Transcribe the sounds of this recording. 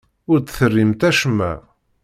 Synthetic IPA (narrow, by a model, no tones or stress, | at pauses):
ʊɾd̪θərːimt̪æʃmæ̰